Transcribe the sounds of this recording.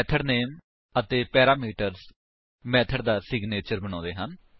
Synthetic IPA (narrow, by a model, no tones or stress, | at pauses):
t̪ʰəɖneːm | ət̪eːpɛːɾaːmiːʈəɾz | mɛːt̪ʰəɖd̪aːsɪɡneːt͡ʃəɾbəɽɔ̃ːd̪eːɦən